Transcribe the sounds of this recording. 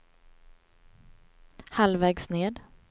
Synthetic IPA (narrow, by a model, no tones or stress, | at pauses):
halvɛːɡsneːd̪